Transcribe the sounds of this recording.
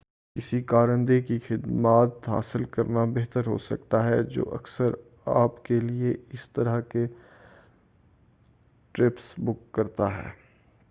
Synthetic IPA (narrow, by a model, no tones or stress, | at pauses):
kɪsikaːɾə̃nd̪ekixɪd̪maːt̪ɦa̰ːsɪlkɐɾnabeɦt̪əɾɦo̰sɐ̰kt̪aɦɛd͡ʒo̰ːʔɐ̰ksəɾ | aːpkelieɪst̪ɐɾəɦke | ʈɾɪpsbʊkːɐɾt̪aɦɛ̰ː